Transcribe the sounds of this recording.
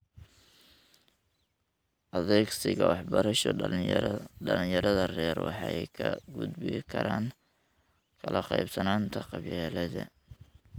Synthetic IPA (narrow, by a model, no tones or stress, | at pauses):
ʔɐðɛːɡsɪɣɐwɑħbɐɾɐʃɔ | dɐlɪnjɐɾɐðɐrɛːrwɑ̰ħɑjkʰɐɡʊd̪bɪkʰɐɾaːŋ | kʰɐlɐqɑjbsɐnaːnt̪ʰɐqɑβjɛːlɐðɐ̰